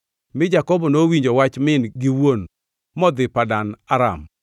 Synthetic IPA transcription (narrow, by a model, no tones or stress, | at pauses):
mɪd͡ʒakɔbɔnowiɲd͡ʒowat͡ʃmɪnɡɪwon | mɔd̪ɪpadanaɾa̰m